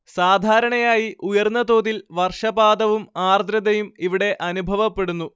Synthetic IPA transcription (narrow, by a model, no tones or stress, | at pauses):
saːd̪ʱaːɾɐɳɐjaːjiʔujɐrnːɐt̪o̞ːðilʋɐrʂɐbaːd̪ɐʋumaːrd̪ɾɐd̪ɐjumiʋiɽe̞ʔɐnubʱɐʋɐpːe̞ɽunːu